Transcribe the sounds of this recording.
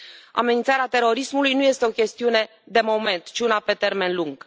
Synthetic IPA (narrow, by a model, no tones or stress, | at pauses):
a̰me̞nint̪saɾeat̪e̞ɾo̞ɾismulujnuje̞st̪e̞o̞kʲe̞st̪iune̞ | d̪e̞mo̞me̞nt̪t͡ʃiunape̞t̪e̞rme̞nluŋɡ̥